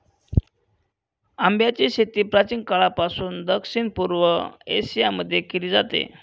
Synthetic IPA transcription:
ambjat͡ɕeɕet̪iːpɾat͡ɕiːnkaɭapasuːnd̪əkɕinpuɾʋəḛsijaməd̪ʱːjekiliːd͡zat̪ḛ

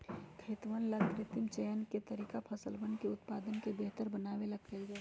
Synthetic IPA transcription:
kʰeːt̪ʋənləɡtɾɪt̪ɪmt͡ʃɛjənket̪əɾiːkapʰɐsəlbənkeʊt̪paːd̪ənkebeɦt̪əɾbənaːʋeləɡɡaiɡa

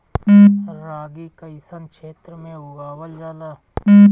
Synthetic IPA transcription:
ɾaːɡikəɪsənkʃeːt̪ɾəmẽʊɡaːwəld͡ʒaːlaː

